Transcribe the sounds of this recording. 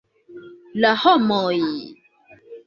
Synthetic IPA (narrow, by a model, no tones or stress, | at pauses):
lahɔmɔ̃ji